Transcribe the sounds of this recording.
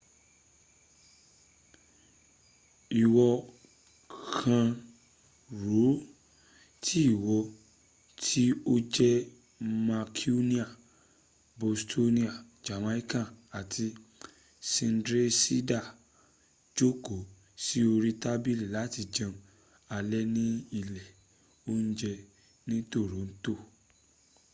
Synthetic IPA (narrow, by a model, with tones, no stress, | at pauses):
i˨wɔ˧ | kʰã˧ | ɾu˨˦ | tʰi˦i˦˨wɔ˧ | tʰi˦o˦d͡ʒɛ˦ | ma˧kʰi˦u˦nĩ˦a˨ | bo˨stʰo˦nĩ˦a˨ | d͡ʒa˨mã˦i˦kã˦˨a˨tʰi˧ | sĩ˧n˦dɾe˦si˦da˦˨ | d͡ʒo˦ko˨ | si˦o˧ɾi˦ta˦bi˦˨li˨la˨˦ti˧d͡ʒã˧ | a˧lɛ˦nĩ˦i˦˨lɛ˨ | o˦n̩˦d͡ʒɛ˧ | nĩ˦to˦˨ɾo˨˦n̩˦to˦˨